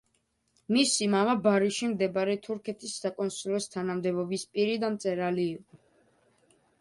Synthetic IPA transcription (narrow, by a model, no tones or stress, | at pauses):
misimamabaɾiʃimd̪ɛbaɾɛt̪ʰuɾkʰɛt̪ʰisːakʼɔnsilɔst̪ʰanamd̪ɛbɔbispʼiɾid̪amt̪sʼɛɾaliːqʼɔ